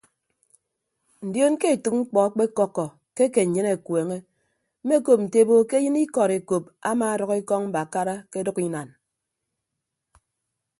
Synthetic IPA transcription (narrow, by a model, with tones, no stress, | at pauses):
n̩˨djo˦nke˦e˨tɨ˨k̚ŋ͡m̩˦k͡pɔ˨a˦k͡pe˦kɔ˦kːɔ˨ | ke˦ke˨ɲ̩˨ɲɨ˦ne˨kweː˨ŋe˦ | m̩˦me˦ko˨p̚n̩˨te˨bo˦ke˦jɨ˦ni˦kɔ˨ɾe˨ko˨p̚a̰˦maː˨a˨dɔ˨ke˦kɔ˦ŋm̩˦ba˨ka˦ɾa˦ke˦dɔ˦ki˦na˨n